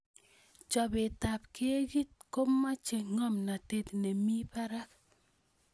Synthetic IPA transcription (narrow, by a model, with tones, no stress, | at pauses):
t͡ʃɔ˨be˨ta˨p̚ke˦ɣi˦t̚ko˦mːa˦t͡ʃe˨ŋɔ˦mna˨te˦tnɛ˨mi˦pa˦ɾa˦k